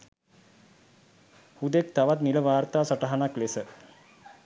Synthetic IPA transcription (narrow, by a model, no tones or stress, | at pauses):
hud̪ek̚t̪aʋat̪niləʋaːɾt̪aːsaʈaɦanaklesə